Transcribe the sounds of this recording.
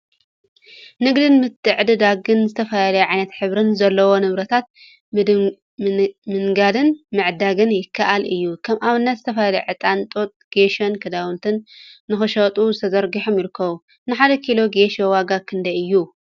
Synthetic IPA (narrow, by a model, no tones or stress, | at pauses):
nɨɡd̪ɨnmɨt̪ʰʼːɨʕd̪ɨd̪aɡɨnzɨt̪ʰɐfalalɐjuʕajnɐt̪ħɨβɾɨnzɐlːɐwo̞nɨβɾɐt̪ʰat̪̚ | mɨŋɡad̪ɨnmɨʕd̪aɡɨnjɪkʰːaʔalʔɨjːukʰɐmʔaβɨnːɐt̪zɨt̪ʰɐfɐlalɐjʕɨt̪ʼant̪ʼot̪ʼɡ̥eʃonkʰɐd̪awɨnt̪ʰɨnːɨxɨʃɐt̪ʼuzɨt̪ʰɐzɐɾɡiħomjɪɾɨkːɐβu | nɨħad̪ɐkʰilo̞ɡeʃowaɡakʰɨnd̪ɐjɨjːu